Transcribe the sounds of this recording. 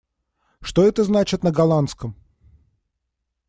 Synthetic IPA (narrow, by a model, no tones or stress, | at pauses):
ʂt̪o̞ɛt̪əznat͡ɕɪt̪nəɡɐlˠant̪skəm